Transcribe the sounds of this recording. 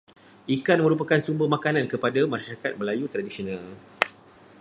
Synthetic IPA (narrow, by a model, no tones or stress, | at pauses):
ʔikanmə̃ɾup̬akansumbəhmakanankəpadamaʃaɾakat̪̚məlajut̪ɾadisionãl